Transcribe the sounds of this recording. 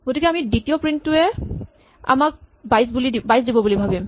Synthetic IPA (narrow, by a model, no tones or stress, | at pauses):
ɡotikɛamiditijopɹintːʊɛ | a̰mak̚ | bajs̬bulidibajs̬dibɔbulibʱabim